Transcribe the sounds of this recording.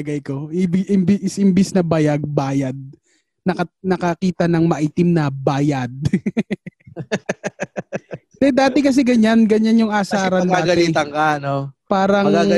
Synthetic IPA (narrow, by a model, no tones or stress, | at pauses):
ɐɡɐjkoɪbɪʔɪmbɪsʔɪmbɪsnɐbaːjɐɡ̚baːjɐd̪̚ | nɐkɐnɐkɐkiːt̪ɐnɐŋmɐʔiːt̪ɪmnɐbaːjɐd̪̚ | t̪ɛd̪aːt̪ɪkɐs̬ɛɡɐɲanɡɐɲanjʊŋʔaːsaːɾɐnd̪aːɡɐliːt̪ɐŋkanopaːɾɐa